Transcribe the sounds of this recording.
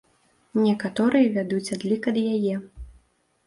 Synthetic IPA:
nʲɛkat̪ɔɾɨjɐvʲad̪ut͡sʲad̪lʲikɐd̪jajɛ

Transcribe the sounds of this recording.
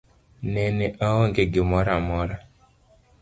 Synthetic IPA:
neneʔɔɦɔŋɡeɡɪmɔɾamɔɾa

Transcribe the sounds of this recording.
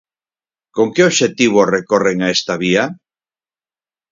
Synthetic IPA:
koŋkeoβʃet̪iβ̞orekoreŋaest̪aβia

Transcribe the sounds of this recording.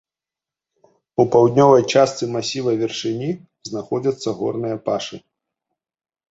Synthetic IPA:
upawd̪ʲnʲɔvɐjt͡ʂast̪sɨmasʲivɐvʲɛrʂɨnʲi | znaxɔd͡zʲɐt̪sːɐɣɔ̰rnɨjɐpaʂɨ

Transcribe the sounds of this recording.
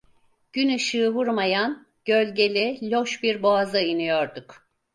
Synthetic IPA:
ɟ̥ynyʃɯːvuɾmajan | ɟ̥ølʲɟe̞lʲilʲoʃbiɾboazɯinɯjoɾd̪uk

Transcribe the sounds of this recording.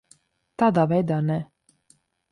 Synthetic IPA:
t̪aːd̪aːvɛjd̪aːnɛ

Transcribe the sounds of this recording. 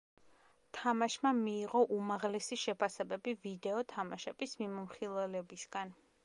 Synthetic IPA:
t̪ʰamaʃmamiːʁɔʔumaʁlɛsiʃɛpʰasɛbɛbivid̪ɛɔt̪ʰamaʃɛb̥ismimɔmχilˠɛlɛbisɡan

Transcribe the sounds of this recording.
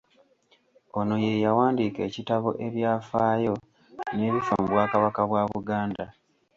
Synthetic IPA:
o̞no̞je̞jawaːndiːke̞ːcitaβoʔe̞βjaːfaːjo̞ | ne̞ːβifa̰muβwaːkaβakaβwaβuɡaːnda

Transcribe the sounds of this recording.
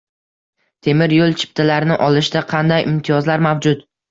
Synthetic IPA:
t̪ʰe̞mɪɾjolˠt͡ʃʰɪ̥p̚t̪ʰalaɾɪnɪʔɒlˠɪʃd̪aqʰɑnd̪ajʔɪmt̪ʰijɒzlaɾmawd͡ʒʊt̪

